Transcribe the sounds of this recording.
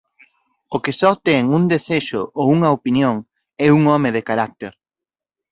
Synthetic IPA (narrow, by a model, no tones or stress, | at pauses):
okɪsɔt̪ɛŋuŋd̪eseʃʊʔouŋɐopinjoŋ | ɛuŋɔmɪðekaɾak̚t̪eɾ